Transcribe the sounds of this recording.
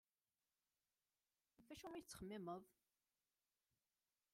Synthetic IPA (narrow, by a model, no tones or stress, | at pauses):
fæʃumit͡sːχəmːɪməðˤ